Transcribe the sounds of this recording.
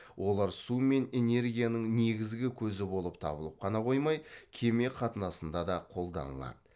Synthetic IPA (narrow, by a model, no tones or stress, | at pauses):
wʔo̞lˠɑɾsume̞ne̞ne̞ɾɡʲijanəŋne̞ɡʲɪzɡʲɪkʲʰɵzɪbo̞lˠəpt̪ʰɑ̰bəlˠəp̚qʰɑnɑqʰo̞jmɑjkʲʰe̞me̞qʰɑt̪ənɑsənd̪ɑd̪ɑqʰo̞lˠd̪ɑ̰nə̰lˠɑ̰d̪ə